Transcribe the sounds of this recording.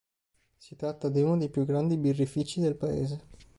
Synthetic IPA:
sit̪ɾat̪ːad̪iunod̪ejpjuɡɾand̪ibirːifit͡ʃid̪elpaḛːze

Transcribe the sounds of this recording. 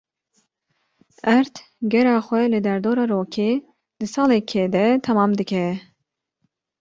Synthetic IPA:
ɛɾt̪ | ɡɛɾɑːxʷɛlɨd̪ɛɾd̪oːɾɑːɾoːkʰeː | d̪̥ɨsɑːlɛkʰed̪ɛt̪ʰɛmɑːmd̪ɨkʰɛ

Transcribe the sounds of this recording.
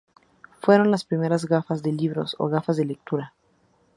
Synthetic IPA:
fwe̞ɾo̞nlaspɾime̞ɾazɣafazðe̞liβɾo̞̰so̞̰ɣafazðe̞lek̚t̪uɾa

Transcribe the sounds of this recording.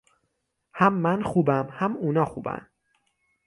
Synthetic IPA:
hæmːænxuːbæmhæmuːnɒːxuːbæ̰n

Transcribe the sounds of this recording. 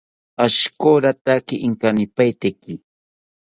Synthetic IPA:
aʃkoɾat̪akɪʔɪŋkanɪpajt̪ekɪ

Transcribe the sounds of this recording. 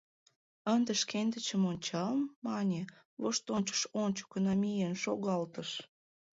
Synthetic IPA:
ənd̪ə̆ʃkend̪ət͡ɕə̆monʲt͡ɕɑlmːɑnʲe | βoʃt̪onʲt͡ɕə̥ʃonʲt͡ɕə̥konomijənʃoɣɑlt̪əʃ

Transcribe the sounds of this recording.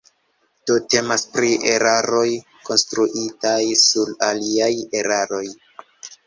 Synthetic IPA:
d̥o̞te̞maspɾiʔeɾaɾo̞j | ko̞nstɾuʔitajsulaliaje̞ɾaɾo̞j

